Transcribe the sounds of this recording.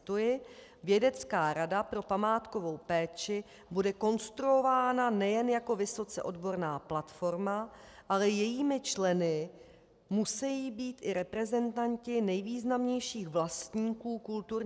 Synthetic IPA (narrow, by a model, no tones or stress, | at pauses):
t̪ujɪ | vjɛdɛt͡skaːɾadapɾo̞pamaːt̪ko̞vo̞wpɛːt͡ʃɪ | budɛko̞nst̪ɾuo̞vaːnanɛjɛnjako̞vɪso̞t͡sɛʔo̞dbo̞ɾnaːplat̪fo̞ɾmaʔalɛjɛjiːmɪt͡ʃlɛnɪ | musɛjiːbiːt̪ʔɪɾɛpɾɛzɛnt̪aɲcɪnɛjviːznamɲɛjʃiːɣvlast̪ɲiːkuːkult̪uɾ